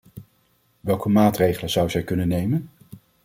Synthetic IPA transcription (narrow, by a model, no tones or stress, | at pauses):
ʋɛlˠkəmaːtrejχələnz̥ʌwəzɛjkɵnənːejmən